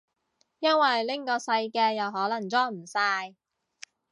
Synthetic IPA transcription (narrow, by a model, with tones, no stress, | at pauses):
jɐ˥nwɐ˨jlɪ˥ŋkɔː˧sɐ˧jkɛː˧jɐ˨˩wɦɔː˨˥lɐ˨˩ŋt͡sɔː˥m̩˨˩sɐː˧j